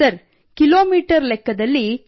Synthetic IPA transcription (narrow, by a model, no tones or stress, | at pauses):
ɐɾ | kiloːmiːʈɐɾlɛkːɐd̪ɐlːi